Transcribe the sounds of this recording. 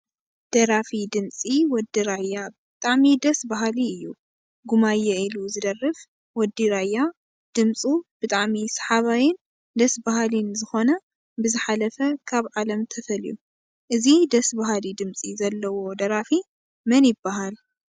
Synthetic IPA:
d̪̥ɐɾafid̪ɨmt͡sʼiwɔd̪iɾajːabɨt̪ʼaʕmid̪ɐsbaɦaliɨjːu | ɡumajːɐiluzɨd̪ɐrːɨf | wɔd̪ːiɾajːa | d̪̥ɨmt͡sʼub̥ɨt̪ʼaʕmisɐ̥ħaβajɪn | d̪ɐsbahalinzɨxo̞nɐ | bɨzɨħalɐfɐkʰaβʕalɐmt̪ʰɐfɐlju | ʔɨzid̪ɐsbaɦalid̪ɨmt͡sʼizɐlːɐwo̞d̪ɐɾafi | mɐnjɪbːaɦal

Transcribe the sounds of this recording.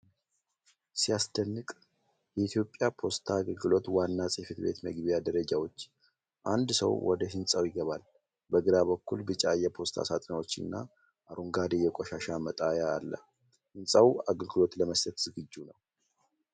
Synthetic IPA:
sijasd̪ənːɨkʼ | jɛit̪ʰjo̞pʼːjapʰo̞st̪ʰaːɡəlɡɨlo̞t̪wanːasʼefɨt̪be̞̰t̪məɡbijad̪əɾəd͡ʒawo̞t͡ʃː | ʔand̪sə̰wwɔ̰d̪əɦɨnsʼawjɪɡəβal | bəɡɨɾaβəkːulbɨt͡ʃʼajɛpʰo̞st̪ʰa̰sa̰t̪ʼnwo̞t͡ʃːɨ̰nːa̰ | ʔaɾuŋɡad̪ejːɛkʼɔʃaʃamət̪ʼajaːlːə̰ | hɨnsʼawaɡəlɡɨlo̞t̪ləməst̪ʰət̪z̥ɨɡɨd͡ʒːunəw

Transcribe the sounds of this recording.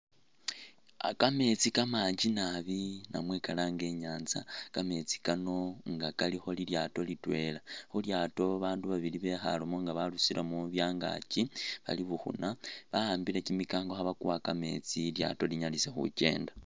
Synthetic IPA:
a̰kame̞t͡sikamaːɲd͡ʒinaβina̰mwekalaːŋɡe̞ɲaːnza̰kame̞t͡si̥kano̞ŋɡakalixo̞liljato̞litwe̞laxuljaːto̞βaːnduβaβiliβe̞xa̰lomo̞ŋɡaβalusiɾʔamuβjaːŋɡa̰ciβa̰liβuxṵnaβahaːmbile̞cimikaːŋɡo̞xaβakuwakame̞̰t͡silja̰to̞liɲalise̞xṵce̞̰ːnda

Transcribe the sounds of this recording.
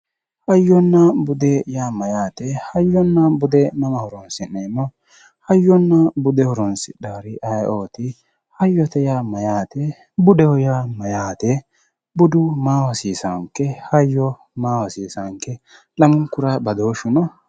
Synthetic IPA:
hɐjːɔnːɐbʊd̪ɛjaːmɐjaːt̪ɛhɐjːɔnːɐbʊd̪ɛnɐmɐhɔɾɔnsɪnɛmɔ | hɐjːɔnːɐbʊd̪ɛhɔɾɔnsɪɗaːɾɪʔɐjʔoːt̪ɪ | hɐjːɔt̪ɛjaːmɐjaːt̪ɛ | bʊd̪ɛhɔjaːmɐjaːt̪ɛ | bʊd̪ʊmaːwɐsiːsɐŋkːɛhɐjːɔ | maːwɐsiːsɐŋkːɛ | lɐmʊŋkːʊɾabɐd̪oːʃʊnɐ

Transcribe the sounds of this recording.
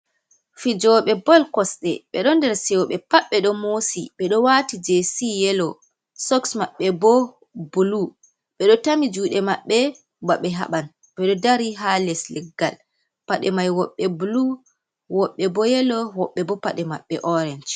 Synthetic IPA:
fid͡ʒɔɓɛbɔlkɔsɗɛ̰ɓɛɗɔndɛɾsɛwɓɛpaɓːɛɗɔmosiɓɛɗɔwatid͡ʒesijɛlɔ | sɔksmaɓːɛbɔ | bulu | ɓɛɗɔtamid͡ʒuːɗɛmaɓːɛ | baɓɛɦa̰ɓan | ɓɛɗɔdaɾiɦalɛslɛɡːal | paɗɛmajwɔɓːɛbulu | wɔɓːɛbɔjɛlɔwɔɓːɛbɔpaɗɛmaɓːɛʔɔɾɛnd͡ʒ

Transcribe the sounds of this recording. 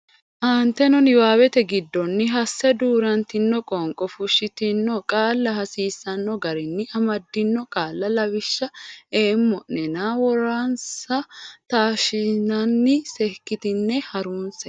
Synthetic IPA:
ʔaːnt̪ːɛnɔnɪwaːwɛt̪ɛɡɪd̪ːɔnːɪɦɐsːɛd̪uːɾɐnt̪ɪnːɔkʼɔŋkʼɔfʊʃːɪt̪ɪnːɔkʼaːlːɐɦɐsiːsːɐnːɔɡɐɾɪnːɪʔɐmɐd̪ːɪnːɔkʼaːlːɐlɐwɪʃːɐeːmːɔʔnɛnaːwɔɾaːnsɐt̪aːʃɪnɐnːɪsɛhkːɪt̪ɪnːɛhɐɾuːnsɛ

